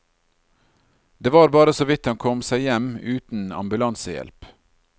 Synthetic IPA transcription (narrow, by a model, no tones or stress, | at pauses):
d̪̥eːʋɑːɾbɑːɾəsoːʋɪt̪hɑŋkʰɔmsæɪjɛmʉːt̪n̩ɑ̰mbʉlɑnsəjɛ̰lp